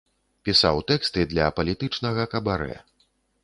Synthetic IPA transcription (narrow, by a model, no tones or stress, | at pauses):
pʲisawt̪ɛkst̪ɨd̪lʲɐpɐlʲit̪ɨt͡ʂnɐɣɐkɐbaɾɛ̰